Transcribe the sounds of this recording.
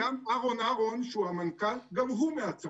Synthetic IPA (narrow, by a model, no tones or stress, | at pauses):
amaɣonaɣonʃuamankalɡavɦumeat͡s